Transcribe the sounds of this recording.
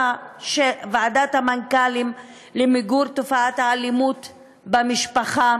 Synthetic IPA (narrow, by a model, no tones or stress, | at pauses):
ʃevaadathamankalim | lemiɡuɾt̪ofaat̪haːlimut | bamiʃpaχa